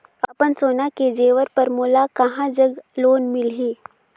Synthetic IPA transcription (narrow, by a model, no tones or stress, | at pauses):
ɐpənsoːnaked͡ʒeːʋəɾpəɾmoːlakɐɦãd͡ʒəɡloːnmɪlɦiː